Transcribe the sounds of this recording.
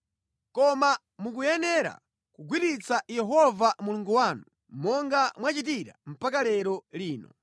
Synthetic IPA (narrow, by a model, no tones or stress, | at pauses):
kɔma | muk̬ujɛnɛɾa̰ | kuɡwiɾit͡sajɛɦɔvamuluŋɡuwaːnu | mɔŋɡamwat͡ʃitiɾa̰m̩pak̬alɛɾɔliːnɔ̰